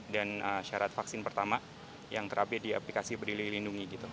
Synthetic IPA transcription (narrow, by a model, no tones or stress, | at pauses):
danəʃaɾat̪faksɪnpərt̪ama | jaŋk̪əɾʔabɪdiaplikasibəɾdililinduŋiɡit̪u